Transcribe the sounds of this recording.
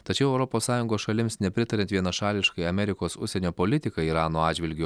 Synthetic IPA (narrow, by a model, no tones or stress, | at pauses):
t̪ɐt͡ʃʲɛʊɛʊɾɔpoːssɑːjʊŋɡoːsʃɐlʲɪmsnʲɛpʲɾʲɪt̪ɐɾʲɛnt̪ʋʲiɛnɐʃɑːlʲɪʃkɐɪɐmʲɛɾʲɪkoːsʊ̰sʲɛnʲoːpolʲɪt̪ʲɪkɐiːɾɑːnoːɑːd͡ʒʲʋʲɪlʲɡʲ